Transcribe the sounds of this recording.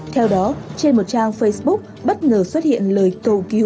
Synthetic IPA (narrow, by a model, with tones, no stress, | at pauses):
t̪ʰɛ˧wɗɔ˨˦t͡ɕe˧nmo˨˩t̚t͡ɕaː˧ŋfə˧jsɓʊ˦˥k̚ | ɓə˦˥t̚ŋəː˨˩swə˦˥t̚hḭ˧˨ənləː˨˩jt̪o˧˨ki˨˦w